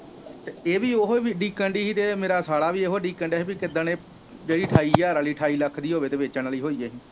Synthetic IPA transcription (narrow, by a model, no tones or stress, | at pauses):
t̪eːeːʋiːoɦoʋiːɖiːkɛ̃ːɳɖiːɦiːt̪eːmeːɾaːsaːɽaːʋiːeɦoːɖiːkɛ̃ɳɖɛɦeːpiːkɪd̪ə̃ːnẽː | d͡ʒeːɽiːʈʰaːiːaːɾaliːʈʰaːiːləkʰd̪iːɦoːʋeːt̪eːʋeːt͡ʃənliːɦoːiːeːɦĩː